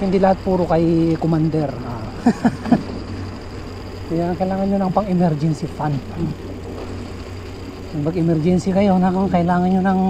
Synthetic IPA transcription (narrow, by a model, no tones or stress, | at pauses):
hind̪ilahat̪̚puːɾokajkomand̪ɛɾa | jaŋkɐilaːŋanɲonɐŋpɐŋɛmɛɾd͡ʒɛnsifan | abɐɡɛmɛɾd͡ʒɛnsikɐjonakaŋkɐɪlaːŋanɲonɐŋ